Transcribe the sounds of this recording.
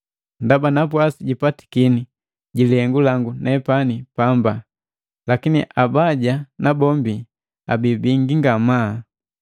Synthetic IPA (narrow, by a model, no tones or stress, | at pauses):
ndabanapwasiɟipati̥kini | ɟilihɛŋɡulaŋɡunɛpanipamba | lakiniʔabaɟanabɔmbi | a̰bibiŋɡiŋɡama